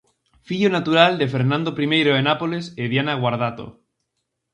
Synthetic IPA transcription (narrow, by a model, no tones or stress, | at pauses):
fiʎonat̪uɾald̪efeɾnãnd̪opɾimejɾoenapoleseðjanaɣ̞waɾð̞at̪o̰